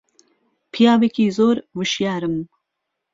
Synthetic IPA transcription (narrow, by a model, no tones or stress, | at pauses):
pʰijaːwekiːzoːɾwɨʃjaːɾɨm